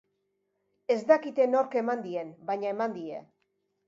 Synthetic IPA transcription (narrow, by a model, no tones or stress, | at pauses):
e̞zd̪akit̪e̞no̞ɾke̞mand̪ie̞nbaɲae̞mand̪ie̞̰